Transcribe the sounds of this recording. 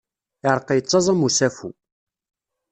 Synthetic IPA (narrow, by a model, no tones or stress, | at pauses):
ɪɾˤqːəjət͡sˤːɑzˤæmusæfṵ